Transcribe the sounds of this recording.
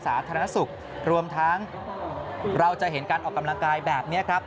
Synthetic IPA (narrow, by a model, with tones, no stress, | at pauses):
saː˩˦t̪ʰaː˧ɾa˧na˦˥su˨˩k̚ | ɾu˧əmt̪ʰa˦˥ŋ | ɾa˧wt͡ɕa˨˩ɦe˩˦nkaː˧nʔɔː˨˩kːa˧mla˧ŋkaː˧jbɛː˨˩p̚ni˦˥ɐkʰɾa˦˥p̚